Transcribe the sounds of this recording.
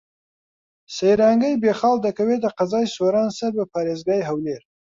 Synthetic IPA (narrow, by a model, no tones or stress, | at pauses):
sajɾɑŋɡəjbexɑld̪akawed̪əqazɑjsoɾɑnsaɾbəpʰɑːɾezɡɑjɦawleɾ